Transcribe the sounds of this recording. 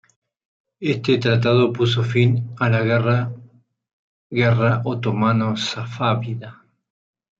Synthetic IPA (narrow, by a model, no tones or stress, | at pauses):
est̪et̪ɾat̪̬að̞o̞pus̬ofinalaɣra | ɣeraʔot̪omanosafaβiða